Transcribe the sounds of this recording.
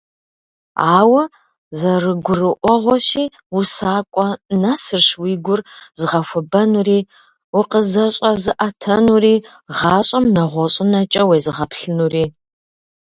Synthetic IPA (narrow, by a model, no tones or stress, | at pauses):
aːwɐ | zɐrɨɡʷʊrɨʔʷɔʁʷɔɕiː | usaːkʷʼɔnasɨrɕwiːɡʷʊrzɨʁɐfʷɔbɐnuriː | wiqəzɐɕʼɐzɨʔɐtʰɐnuriː | ʁɑːɕʼɐmnɐʁʷɔɕʼɪnɐt͡ʃʼɐwejzɨʁɐpʰɬɨnuriː